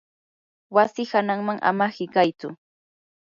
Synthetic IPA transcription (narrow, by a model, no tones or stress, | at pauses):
wasɪhanaŋmaŋʔa̰mahɪkajt͡sʊ